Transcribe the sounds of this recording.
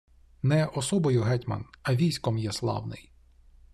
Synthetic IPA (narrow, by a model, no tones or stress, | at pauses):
nɛʔɔsɔbɔjʊɦɛtʲmɐ̰nɐʋʲijsʲkɔmjɛslˠɑ̰wnɪ̰j